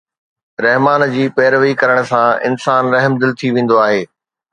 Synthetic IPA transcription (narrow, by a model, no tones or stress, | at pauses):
ɾɐɦmaːnd͡ʑiːpɛːɾʋikɐɾəɽ̃̆sãɪ̰nsaːnɾɐɦmd̪ɪlt̪ʰiʋẽːn̆d̪oaːɦeː